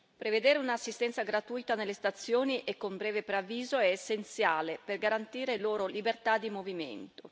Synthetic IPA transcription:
pɾeved̪eːɾeunaːsːist̪ɛnt̪saɡɾat̪ujt̪anelːest̪at̪sːjoːniʔekːombɾɛːvepɾeavːiːzoɛːsːent̪sjaːleperɡaɾant̪iːɾeloːɾolibert̪ad̪ːimovimḛnt̪o

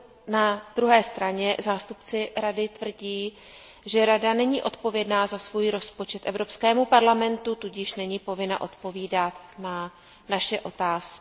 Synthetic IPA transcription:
nad̪̥ɾuɦɛːst̪ɾaɲɛzaːst̪upt͡sɪɾadɪt̪vr̩ɟiː | ʒɛɾadanɛɲiːʔo̞t̪po̞vjɛdnaːzasvuːjɾo̞spo̞t͡ʃɛt̪ʔɛvɾo̞pskɛːmupaɾlamɛnt̪ut̪uɟɪʃnɛɲiːpo̞vɪna̰ʔo̞t̪po̞viːdat̪na | naʃɛʔo̞t̪aːskɪ

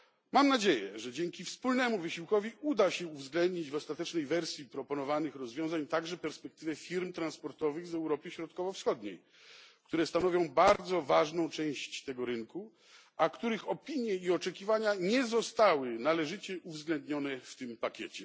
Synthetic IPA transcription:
mamnad͡ʑejɛ̰ʐɛd͡ʑɛŋkʲifspulnɛmuvɘɕiwkɔvʲiud̪aɕɛuvzɡlɛnd̪ɲid͡ʑvɔst̪at̪ɛt͡ʂnɛjvɛɾsʲjipɾɔpɔnɔvanɘxɾɔzvʲjɔ̃w̃zaɲt̪aɡʐɛpɛɾspɛk̚t̪ɘvɛfʲiɾmt̪ɾanspɔɾt̪ɔvɘɣzɛwɾɔpəɕɾɔt̪kɔvɔfsxɔd̪ɲḛj | kt̪uɾɛst̪anɔvʲjɔ̃w̃baɾd̪zɔvaʐnɔ̃w̃t͡ʂɛ̃w̃ɕt͡ɕt̪ɛɡɔɾɘnku | ʔakt̪uɾɘxɔpʲiɲjɛiɔt͡ʂɛkʲivaɲaɲɛzɔst̪awɘnalɛʐɘt͡ɕɛʔuvzɡlɛnd̪ɲɔnɛft̪ɘmpakʲḛt͡ɕɛ

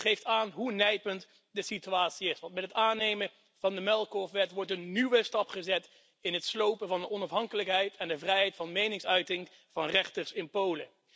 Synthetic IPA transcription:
χejftaːnɦunɛjpənt | dəsityaːtsiɪsʋɑntmɛtətaːnejmə | v̥ɑndəmɛlˠkɔfʋɛtʋɔɹtənːywəstɑpχəzɛt | ɪnɦətslowpənvɑndəɔnɑfɦɑŋkələkɦɛjtʰɛndəvrɛjɦɛjtfɑnmejnɪŋsœɥtɪŋ | v̥ɑnrɛχtəɹsɪnpowlə̰

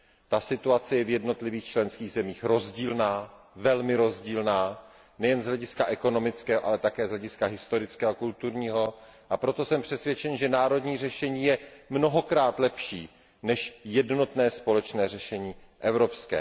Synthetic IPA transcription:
t̪asɪt̪uat͡sɛjɛvjɛdno̞t̪lɪviːxt͡ʃlɛnskiːɣzɛmiːxɾo̞zɟiːlnaː | vɛlmɪɾo̞zɟiːlnaː | nɛjɛnzɦlɛɟɪskaʔɛko̞no̞mɪt͡skɛːɦoʔalɛt̪akɛːzɦlɛɟɪskaɦɪst̪o̞ɾɪt͡skɛːɦokult̪uɾɲiːɦo̞ʔapɾo̞t̪o̞sɛmpr̝̥ɛsvjɛt͡ʃɛnʒɛnaːɾo̞dɲiːr̝ɛʃɛɲiːjɛmno̞ɦo̞kɾaːt̪lɛpʃiː | nɛʃjɛdno̞t̪nɛːspo̞lɛt͡ʃnɛːrɛʃɛɲiːʔɛvɾo̞pskɛ̰ː

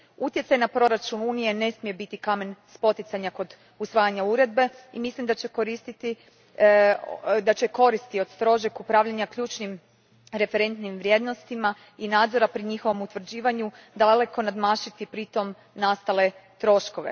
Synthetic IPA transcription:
ut̪je̞t̪sajnapɾo̞ɾat͡ʃunuːnije̞ne̞smije̞bit̪ikame̞nspo̞t̪it̪saɲako̞d̪ | usʋaːjaɲauɾe̞d̪̚be̞imislimd̪at͡ɕeko̞ɾist̪it̪i | d̪at͡ɕe̞ko̞ɾist̪io̞d̪st̪ɾo̞ʒakupɾaːʋʎaɲakʎuːt͡ʃnim | ɾe̞fe̞ɾe̞nt̪nimʋɾje̞d̪no̞st̪ima | inaːd̪zo̞ɾapɾiɲixo̞ʋo̞mut̪ʋr̩d͡ʑiːʋaɲud̪ale̞ko̞nad̪maːʃit̪ipɾit̪o̞m | nast̪ale̞t̪ɾo̞ʃko̞ʋe̞̰

